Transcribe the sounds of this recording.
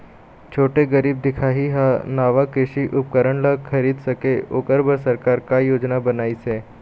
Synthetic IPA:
t͡ʃʰoːʈeɡɐɾiːb̚d̪ɪkʰaːɦiɦanaːʋakɾɪʃiʔʊp̚kəɾəɳlakʰɐɾiːd̪sɐkeoːkəɾbəɾsɐɾkaːɾkajoːd͡ʒnabɐnaːiseː

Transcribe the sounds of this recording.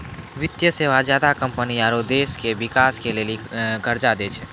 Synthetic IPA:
ʋɪt̪jəseːʋazjaːd̪akə̃mpəniaːɾod̪eːskebɪkaːskeleːliɡəɾd͡ʒad̪eːt͡ʃʰɛ

